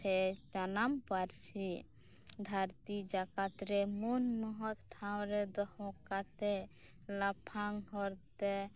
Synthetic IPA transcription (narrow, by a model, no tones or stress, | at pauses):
et͡ʃanampaɾsi | d̪ʱaɾt̪id͡ʒakat̪ɾemunmɔɦɔt̪ʈʰãwɾed̪ɔhõkat̪e | lapʰaŋɦɔɾt̪e